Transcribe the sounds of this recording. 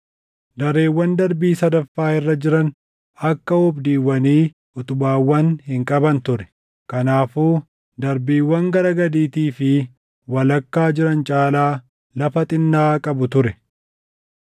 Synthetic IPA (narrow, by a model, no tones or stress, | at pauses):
d̪ɐɾe̞ːwːɐnd̪ɐɾbiːsɐd̪ɐfːaːɪrːɐd͡ʒɪɾɐn | ɐkːɐɔbd̪iːwːɐniː | ʔʊt̪ʊbaːwːɐnhɪŋkʼɐbɐnt̪ʊɾɛ̥ | kɐnaːfuː | d̪ɐɾbiːwːɐŋɡɐɾɐɡɐd̪iːt̪iːfɪ | wɐlɐkːaːd͡ʒɪɾɐnt͡ʃʼaːlaː | lɐfɐt̪ʼɪnːaːkʼɐbʊt̪ʊɾɛ